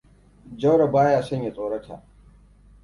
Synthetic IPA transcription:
d͡ʒɐ˦wɽa˨baː˦jaː˨sɐ˦ɲja˨t͡sʼoː˨ɽɐ˦tʰa̰ː˨ʔ

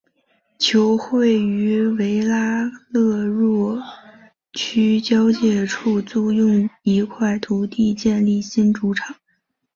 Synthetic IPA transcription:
t͡ɕʰjo˧˥ʊxwe˥˩ɪy˧˥we˧˥ɪla˥lɤ˥˧ɻwɔ˥˩ | t͡ɕʰy˥t͡ɕjɑ˥ʊt͡ɕjɛ˥˧ʈ͡ʂʰu˥˧t͡su˥˧jʊ˥˩ŋi˧˥kʰwa˥˩ɪt̪ʰu˧˥t̪i˥˧t͡ɕjɛ˥˧nli˥˩ɕi˥nʈ͡ʂu˧˥ʈ͡ʂʰɑ˨˩˦

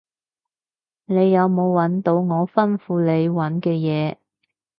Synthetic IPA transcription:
ne˨˧jːɐ˨˧wmo˨˧wwɐ˨˥nt̪o˨˧wŋɔː˨˧fɐ˥nfuː˧le˨˧jwɐ˨˥nkɛː˧jɛː˨˧

